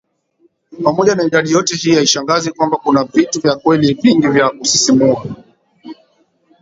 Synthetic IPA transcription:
pamɔʄanaiɗaɗijɔtɛhijaiʃaŋɡazɛkwambakunavituvjakwɛliviŋɡivjaʔusisimuu

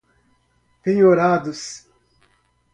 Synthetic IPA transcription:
peɲoɾaːd̪us

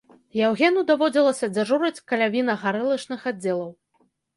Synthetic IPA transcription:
jawɣʲɛnud̪avɔd͡zʲilˠɐsʲɐd͡zʲaʐuɾɐt͡sʲkɐlʲavʲinɐɣaɾɛlˠɐʂnɨxad͡zʲːɛlˠɐw

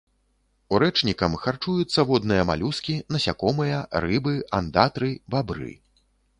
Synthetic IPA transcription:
uɾɛt͡ʂnʲikɐmxart͡ʂujut̪sːɐvɔd̪nɨjɐma̰lʲuskʲinɐsʲakɔmɨjɐɾɨbɨand̪at̪ɾɨbabɾɨ̰

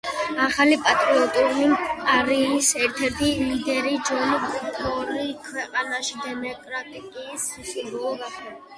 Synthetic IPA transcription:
aχalipʼat̪ʼɾiɔt̪ʼuɾimaɾiːsɛɾt̪ʰɛɾt̪ʰilid̪ɛɾid͡ʒɔnɔbupʰɔɾikʰwɛqʼanaʃid̪ɛmɔkʼɾat̪ʼikʼisisʼuɾɔɔɡaχɛ

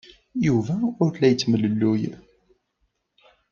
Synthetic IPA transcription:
juvæʊɾθlæjət͡sːmələlːuj

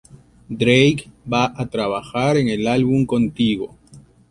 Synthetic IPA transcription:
d̪ɾejkbaʔat̪ɾaβaxaɾeŋe̞lalβumko̞nt̪iɣo̞̰

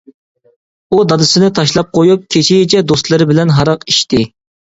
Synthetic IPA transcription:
ud̪ɑd̪ɨsɨnɨt̪ʰɑʃlˠɑp̚qʰojup̚kʲʰet͡ʃʰijɪt͡ʃʰɛd̪ost̪lˠɨɾɪbɪlɛnɦɑɾɑqiʃt̪ɪ

